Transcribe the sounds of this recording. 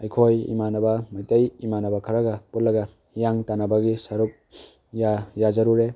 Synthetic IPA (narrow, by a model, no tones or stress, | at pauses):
ɐjkʰojḭmanɐbɐmajtɐjimanɐbɐkʰɐɾaɡaput̚lɐɡa | jaŋtanabaɡisɐɾuk̚ | jajazɐɾuɾe